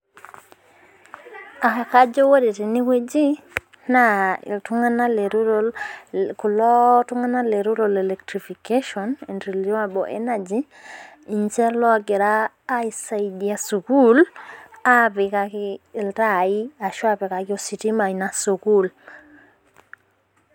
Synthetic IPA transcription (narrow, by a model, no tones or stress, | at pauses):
akakad͡ʒowoɾitiniwed͡ʒi | naḭltuŋanaleɾuɾolkulɔtuŋanaleɾuɾolelektɾifikeʃɔnintɾilomabɔʔḛnad͡ʒi | iɲt͡ʃelɔaɡeɾaː | jsaidiasukulapikakiːltaiaʃwapekakiositimainasukul